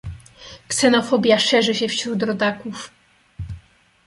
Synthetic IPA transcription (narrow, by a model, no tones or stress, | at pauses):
ksɛnɔfɔbʲjaʂɛʐɘɕɛfɕɾut̪ɾɔd̪akuf